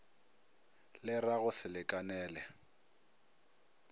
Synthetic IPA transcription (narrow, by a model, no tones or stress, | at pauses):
lɪraɣʊsɪlɪkʼanɛːlɛ